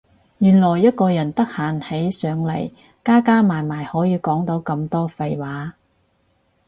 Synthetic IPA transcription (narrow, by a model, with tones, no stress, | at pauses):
jyː˨˩nlɔː˨˩jːɐ˥t̚kɔː˧jɐ˨˩nt̪ɐ˥k̚haː˨nhe˨˥jsœː˨˧ŋle˨˩j | kaː˥kaː˥maː˨˩jmaː˨˩jhɔː˨˥jiː˨˧kɔː˨˥ŋt̪o˨˥wkɐ˧mt̪ɔː˥fɐ˧jwaː˨˥